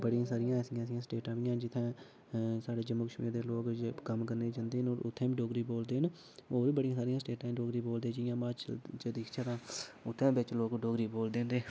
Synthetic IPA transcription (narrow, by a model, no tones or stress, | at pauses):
bəɽijãːsaːɾɪjãːsɪjãːsɪjãːsʈeːʈãːʋɪjãːd͡ʒɪt̪ʰɛ̃ː | saːɖeːd͡ʒəmːuːkəʃmiːɾd̪eːloːkkəmkəɾneːd͡ʒãːnd̪eːənoːɾʊt̪ʰːẽːmːɖoːɡɾiːboːld̪eːɦən | oːɾibəɽiãːsaːɾɪjãːsʈeːʈãːɖoːɡɾiːboːld̪eːd͡ʒɪjãːmat͡ʃt͡ʃəd̪ɪkʰt͡ʃʰəɾãːʊt̪ʰːẽːbɪt͡ʃloːkɖoːɡɾiːboːld̪ẽːnd̪eː